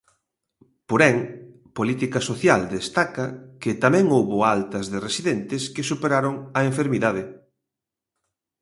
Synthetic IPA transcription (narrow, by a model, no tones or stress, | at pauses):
poɾɛŋ | polit̪ikɐsoθjald̪est̪akɐkɪt̪amɛ̃ŋowβoalt̪ɐzðɪresiðɛnt̪ɪskɪsupeɾaɾoŋɐeɱfeɾmiðaðɪ